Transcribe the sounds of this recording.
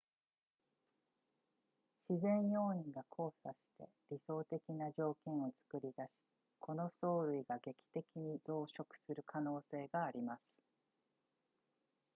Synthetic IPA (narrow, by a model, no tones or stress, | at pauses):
ɕizẽ̞ɰ̃jo̞̟ːĩŋɡakʰo̞ːsaɕi̥t̪e̞̰ | ɾʲiso̞ːt̪e̞kʲinaʑo̞ːkʲẽɰ̃o̞t͡sɨ̥kɯ̟ɾʲid̪aɕi̥ | kʰo̞no̞so̞ːɾɯ̟iɡaɡe̞kʲi̥t̪e̞kʲiɲ̟id͡zo̞ːɕo̞kɯ̥sɨɾɯ̟kʰano̞ːse̞ːɡaːɾʲimasɨ̥